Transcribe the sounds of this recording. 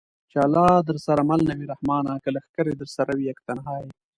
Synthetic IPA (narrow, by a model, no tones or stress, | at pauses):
t͡ʃalɑd̪əɾsaɾamalnawiɾahmɑːnakəlaxkəɾed̪əɾsaɾawiakt̪anɦɑːj